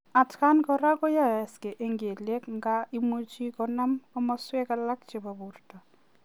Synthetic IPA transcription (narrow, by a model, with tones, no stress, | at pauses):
a˨tka˦nkɔ˨ɾa˦kɔ˦ja˦˨ɛ˨ske˨ʔe˨ŋɡe˨le˦kŋɡa˦i˦mo˦t͡ʃi˦kɔ˨na˦mɔ˦mɔ˦swɛ˦ka˦la˦kt͡ʃe˨ba˨bu˨rtɔ˨